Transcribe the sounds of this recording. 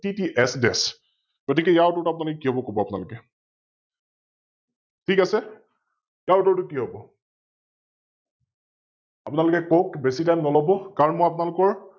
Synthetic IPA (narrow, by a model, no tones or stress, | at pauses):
titiʔɛsdɛs | ɡ̥otikɛjaʊtɔɹtuapʊnalʊkɛkiɦobɔkobɔapʊnalʊkɛ | tʰikasɛ | jaʊtɔɹtʊkiɦobɔ | apʊnalʊkɛkokbesitajnnɔlɔbɔkaɹɔnmɔjapʊnalʊkɔɹ